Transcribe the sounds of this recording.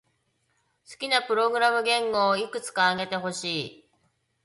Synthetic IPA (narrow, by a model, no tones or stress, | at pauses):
sɨ̥kʲinapɯ̟ɾo̞ɡɯ̟ɾamɯ̟ɡẽ̞ŋɡo̞ːikɯ̟t͡sɨ̥kaːɡe̞t̪e̞ɦo̞ɕiː